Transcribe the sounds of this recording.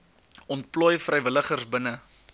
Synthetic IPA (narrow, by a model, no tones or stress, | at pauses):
ɔnt̚plɔjfrəjvələχərsbənə